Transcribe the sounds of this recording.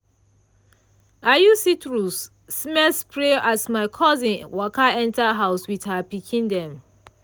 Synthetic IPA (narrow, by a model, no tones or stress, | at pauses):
ajusitɹusː | mɛspɹeʔatmaɪkʰɔzĩnwɔkaɛ̃ntaɦaʊswiðhapikʰĩndɛ̃m